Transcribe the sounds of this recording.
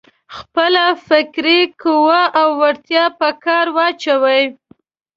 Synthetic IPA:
xpəlafɪkɾikəwəʔawːaɾt̪jɑpəkɑɾwɑt͡ʃawəj

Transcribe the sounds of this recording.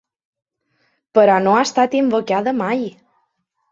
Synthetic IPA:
pəɾɔnoast̪at̪imbokaðəmaj

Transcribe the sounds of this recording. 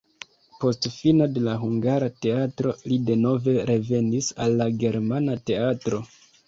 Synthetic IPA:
po̞stfino̞de̞laɦuŋɡaɾate̞atɾo̞lide̞no̞ve̞ɾe̞ve̞nisalːaɡe̞ɾmanate̞atɾo̞

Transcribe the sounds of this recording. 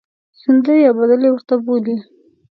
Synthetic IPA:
sɪnd̪əjabad̪əlewəɾt̪aboli

